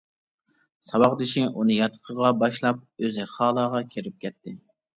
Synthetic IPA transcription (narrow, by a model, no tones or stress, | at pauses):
sɑwɑʁd̪ɪʃɪŋʔunɨjɑt̪ʰə̥qʰəʁɑbɑʃlˠɑp̚øzɪχɑːlˠɑːʁɑkʲʰeɾɪp̚kʲɛt̪ʰːɪ